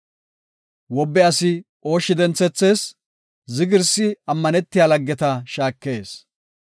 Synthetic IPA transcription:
wɔbːɛɐsɪ | o̞ːʃːɪd̪ɛnt͡sːɛt͡sːe̞ːs | zɪɡɪɾsɪɐmːɐnɛt̪ːɪjaːlɐɡːɛt̪ɐʃaːkːe̞ːs

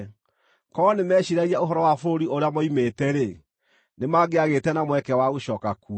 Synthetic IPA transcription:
kɔnemɛɕiɾaɣiaoɦɔɾɔwafoɾiʔoɾeamɔimetɛɾe | nemaːɡeaɣetɛnamwɛkɛwaɣoɕɔːkaku

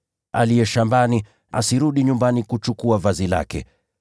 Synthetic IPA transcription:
a̰lijɛʃambani | a̰siɾuɗiɲumbanikut͡ʃukuavazila̰kɛ̰

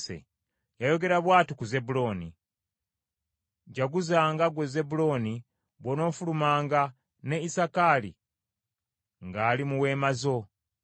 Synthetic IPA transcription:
sḛ | jajo̞ɡe̞ɾaβwaːtukuze̞bulo̞ːni | ɟaɡuzaːŋɡaɡweze̞bulo̞ni | βono̞ːfulumaːŋɡa | ne̞isakaːlḭ | ŋɡaːlimuwe̞ːmazo̞

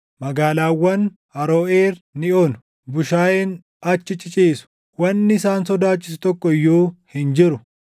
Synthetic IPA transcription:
mɐɡaːlaːwːɐn | ɐɾoːʔeːɾnɪoːnʊ̥ | bʊʃaːjen | ɐt͡ʃːɪt͡ʃʼɪt͡ʃʼiːsʊ̥ | wɐnːɪɪsaːnsɔd̪aːt͡ʃːɪs̬ʊt̪ɔkːɔjːuːhɪnd͡ʒɪɾʊ

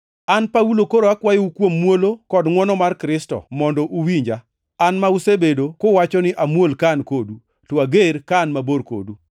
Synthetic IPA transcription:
anpaulokoɾoakwajɪukwomːwolokɔdŋwɔnɔmarkɾɪstɔ̰mɔndɔʔuwiɲd͡ʒa | anmausebedokowat͡ʃɔnɪʔamwolkankodu | twaɡeɾkanmaboɾko̰du

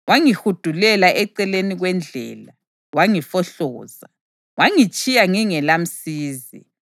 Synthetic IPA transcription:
waŋihud̥ʱulɛlaʔɛǀɛleniɣwɛnd͡ɮʱɛ̰ːla | waŋifɔɬɔːza | waŋit͡ʃʼijaŋiŋɛlam̩siːzḭ

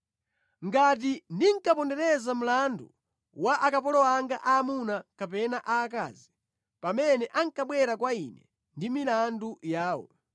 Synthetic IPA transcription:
ŋɡat̬indiŋ̩kapɔndɛɾɛzam̩landṵ | waʔakapɔlɔaŋɡaʔaːmunakapɛnaʔaːka̰ːzi | pamɛnɛʔaŋkaɓwɛɾakwainɛ | ndimilandujaːwɔ̰

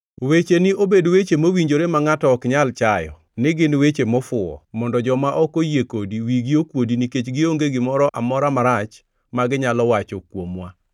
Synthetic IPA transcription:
wet͡ʃenɪobedwet͡ʃemowiɲd͡ʒoɾemaŋatɔkɲalt͡ʃajɔ̰ | nɪɡɪnwet͡ʃemɔfʊɔ̰mɔndɔd͡ʒɔmaʔɔkojekodiwiɡɪokwodiniket͡ʃɡɪoŋɡeɡɪmɔɾɔʔamɔɾamaɾat͡ʃ | maɡɪɲalɔwat͡ʃokwomwa

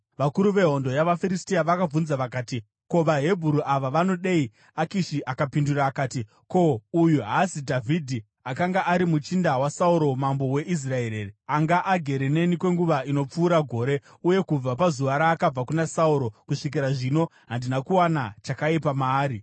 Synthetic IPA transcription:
ʋakuɾuʋe̞ɦo̞ndo̞jaʋafiɾistiaʋakab͡vunzaʋakaːti | ko̞ʋaɦe̞bʱuɾuʔaʋaʋano̞ɗei | akiʃiʔakapinduraːkaːti | ko̞ujuɦasidʱavʱidʱi | akaŋɡaʔːɾimut͡ʃindawasauɾo̞mambo̞we̞ʔis̬rae̞ɾeriaŋɡaʔaɡʱe̞ɾene̞nikwe̞ŋɡuʋaino̞p͡fuːɾaɡʱo̞ːɾe̞ | uje̞kub͡vap̬azuʋaɾaːkab͡vakunasauɾo̞kuʂik̬iɾaʐino̞ɦandinakuwana̰t͡ʃakaipamaːɾi

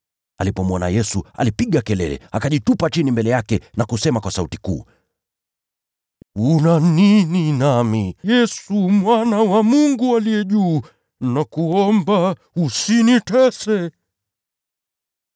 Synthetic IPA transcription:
alipɔmwɔna̰jɛsua̰lipiɠakɛlɛ̰lɛ̰akaʄitupat͡ʃinimbɛlɛjakɛnakusɛmakwasautikṵː | unanininamijɛsumwanawamuŋɡualijɛʄuː | nakuɔmba | usinitɛsɛ

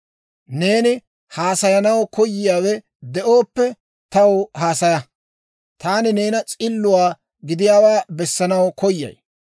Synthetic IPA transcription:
ne̞ːnɪ | haːsɐjɐnɐwkʰɔjːɪjaːwɛ | d̪ɛʔoːpːɛ | t̪ɐwɦaːsɐjɐ | t̪aːnɪne̞ːnɐt͡sʼɪlːʊwaː | ɡɪd̪ɪjaːwaːbɛsːɐnɐwkɔjːɐ̰j

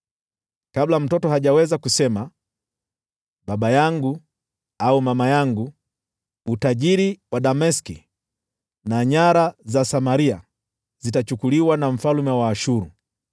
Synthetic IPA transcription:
kablam̩tɔtɔhaʄawɛzakusɛma | ɓaɓajaŋɡu | aumamajaŋɡu | utaʄiɾiwaɗamɛski | naɲaɾazasamaɾia | zitat͡ʃukuliwanam̩falumɛwaːʃuɾu

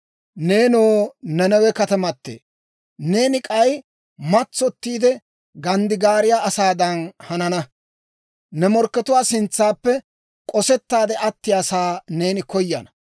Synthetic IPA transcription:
ne̞ːnoːnɛnɛwɛkɐt̪ɐmɐt̪ːḛː | ne̞ːnɪkʼɐj | mɐt͡sːɔt̪ːiːd̪ɛ | ɡɐnd̪ɪɡaːɾɪjaːʔɐsaːd̪ɐnhɐnɐnɐ | nɛmɔɾkːɛt̪ʊwaːsɪnt͡sːaːpːɛ | kʼɔsɛt̪ːaːd̪ɛʔɐt̪ːɪjaːsaːne̞ːnɪkɔjːɐ̰nɐ

